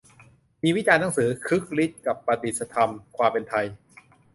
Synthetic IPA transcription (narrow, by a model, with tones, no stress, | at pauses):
miː˧wi˦˥t͡ɕaː˧nːa˦˥ŋsɯː˩˦kʰɯ˦˥k̚li˦˥t̪̚ka˨˩pːɾa˧t̪i˨˩sa˧t̪ʰa˧mkʰwaː˧mpe˧nt̪ʰa˧j